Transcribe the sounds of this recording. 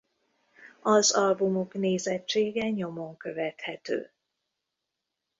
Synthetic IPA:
ɒzɒlbumo̞kneːzɛt͡ʃːeːɡɛɲo̞mo̞ŋkø̞vɛt̪hɛt̪ø̰ː

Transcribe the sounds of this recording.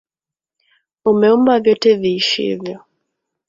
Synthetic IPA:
umɛumbavjɔtɛviːʃḭvjɔ

